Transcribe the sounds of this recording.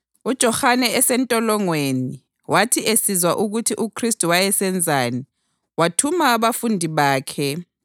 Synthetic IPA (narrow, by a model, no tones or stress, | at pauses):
ud̥ʒ̥ʱɔxanɛɛsɛntʼɔlɔŋweni | watʰiʔesizwaʔuɣutʰiʔukʰristʼuwajɛsɛnd͡zʱaːni | watʰumaːβafundʱiβaːkʰɛ